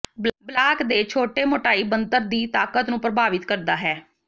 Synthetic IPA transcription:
bblaːkd̪eːt͡ʃʰoːʈeːmoːʈaːiːbənt̪əɾd̪iːt̪aːkət̪nũːpɾəbaːʋɪt̪kəɾd̪aːɦɛː

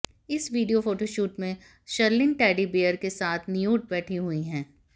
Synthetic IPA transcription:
ɪsʋiːɖijofoːʈoʃuːʈmẽ | ʃɐɾlɪ̃nʈɛːɖibeːəɾkesaːt̪ʰnijuːʈ̚bɛːʈʰiɦuiɦɛ̃ː

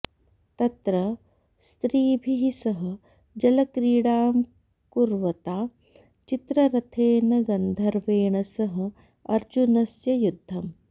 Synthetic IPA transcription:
t̪ɐt̪ɾɐ | st̪ɾiːbʱiɦisɐɦɐ̆ | d͡ʒɐlɐkɾiːɽaːm | kuɾʋɐt̪aː | t͡ʃit̪ɾɐɾɐt̪ʰeːnɐɡɐnd̪ʱɐɾʋeːɳɐsɐɦɐ̆ | ɐɾd͡ʒunɐsjɐjud̪ʱːɐm

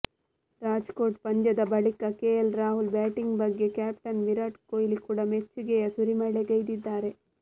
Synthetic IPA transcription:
ɾaːd͡ʒkoːʈ̚pɐɲd͡ʒɐd̪ɐbɐɭikɐkeːjɐlɾaːɦulbɛːʈiŋɡbɐɡːe̞kaːpʈɐnʋiɾaʈkoːjlikuːɽɐmet͡ʃːuɡɛjɐsuɾimɐɭeɡɐjd̪id̪ːaːɾe̞

